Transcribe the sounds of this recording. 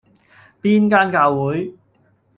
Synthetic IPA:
piː˥nkaː˥nkaː˧wwuː˨˥j

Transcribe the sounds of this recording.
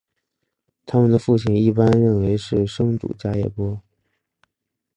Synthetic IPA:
t̪ʰa˥mə˨nd̪ə˩fu˥˩t͡ɕʰi˨˩ŋi˥˩pa˥nɻə˥˩nwe˧˥ɪʂɻ̩˥˩ʂɤ˥ŋʈ͡ʂṵ˨˩t͡ɕja˥jɛ̰˥˩pwɔ˥

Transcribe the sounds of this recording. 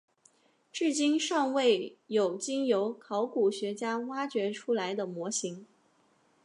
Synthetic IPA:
ʈ͡ʂɻ̩˥˩t͡ɕi˥nʂɑ˥˧ŋwe˥˩ɪjo˨˩ʊt͡ɕi˥ŋjo˧˥ʊkʰɑ˧˥ʊku˨˩ɕɥɛ˧˥t͡ɕja˥wa˥t͡ɕɥɛ˧˥ʈ͡ʂʰu˥la˧˥ɪd̪ə˧mwɔ˧˥ɕi˧˥ŋ

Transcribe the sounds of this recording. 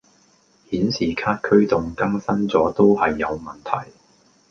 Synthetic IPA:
hiː˨˥nsiː˨˩kʰaː˥t̚kʰɵ˥ɥt̪ʊ˨ŋkɐ˥ŋsɐ˥nt͡sɔː˨˥t̪o˥whɐ˨jːɐ˨˧wmɐ˨˩nt̪ʰɐ̰˨˩j

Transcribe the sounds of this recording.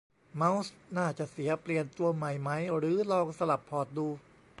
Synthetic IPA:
ma˦˥wsnaː˥˩t͡ɕa˨˩ʔsi˩˦ɐpli˨˩ənt̪u˧ɐma˨˩jma˦˥jɾɯː˨˩˦lɔː˧ŋsa˧la˨˩pʰːɔː˨˩t̪̚duː˧

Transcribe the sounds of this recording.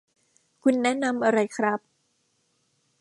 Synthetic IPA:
kʰu˧nːɛ˦˥na˧mʔa˧ɾa˧jkʰɾa˦˥p̚

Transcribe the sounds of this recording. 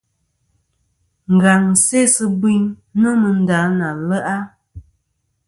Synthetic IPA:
ŋ̩˨ɡa˨ŋ˨se˦sə˦bwi˦ɲno˦mə˨n̩˦da˨˦na˨lə˦ʔa˦

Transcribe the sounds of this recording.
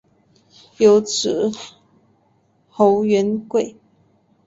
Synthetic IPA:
jo˧˥ʊʈ͡ʂ̩˨˩ | xo˧˥ʊɥɛ˧˥nkwe˥˩ɪ

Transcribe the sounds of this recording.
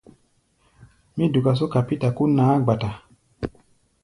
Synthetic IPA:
mĩ˦du˨ka˨s̬o˦ka˨pi˦ta˨ku˦naː˨˦ɡ͡ba˨ta˨

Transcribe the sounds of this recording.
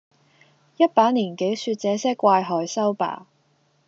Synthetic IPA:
jɐ˥t̚paː˨˥nniː˨˩nke˨˥jsyː˧t̚t͡sɛː˨˥sɛː˥kʷaː˧jɦɔː˨˧jsɐ˥wpa̰ː˨˩

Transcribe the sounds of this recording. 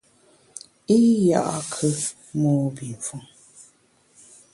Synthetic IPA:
i˦ja˦˨ʔa˦kʰɨ˦ | mɔː˦bi˨ɱ˨fu˦˨ŋ

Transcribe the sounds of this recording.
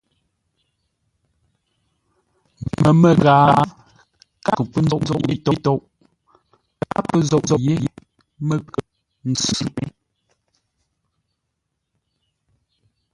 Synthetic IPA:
mə˨mə˨ɣaː˨˦ | ka˦kə˨k͡pə˦n̩ɔ˦ʔzɔ˦˨ʔe˦tɔ˦tɔ˦˨ʔ | ka˦pə˦zɔ˦˨ʔzɔ˨je˦ | mə˦˨kə˨ | n̩˨t͡sʉ˦˨pe˦

